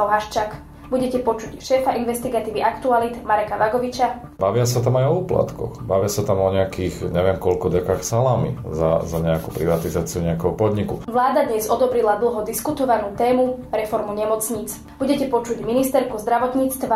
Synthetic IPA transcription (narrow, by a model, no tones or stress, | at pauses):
aɦaʃt͡ʃak | buɟɛcɛpɔt͡ʃucʃɛːfaʔinʋɛst̪iɡat̪iːʋiʔakt̪ualit̪maɾɛkaʋaɡɔʋit͡ʃa | baʋɪasat̪amajɔuːpla̰t̪kɔ̰xbaʋɪasat̪amɔɲɛakiːxɲɛʋɪɛmkɔlkɔdɛkaxsalamḭza̰zaɲɛakupɾiʋat̪izaːt͡siuɲɛakɛɦɔpɔd̪ɲikuʋlaːd̪ad̪ɲɛzɔd̪ɔbɾilad̪l̩ɦɔd̪iskut̪ɔʋanuːt̪ɛːmuɾɛfɔɾmuɲɛmɔt͡sɲiːt͡s | b̥uɟɛcɛpɔt͡ʃuɟminist̪ɛɾkuzd̪ɾaʋɔt̪ɲiːt͡st̪ʋa